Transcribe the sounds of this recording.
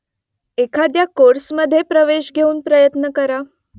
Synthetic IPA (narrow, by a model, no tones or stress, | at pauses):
ekʰad̪jakoɾsməd̪ʱːjepɾəʋeɕɡʱeuːnpɾəjət̪nəkəɾa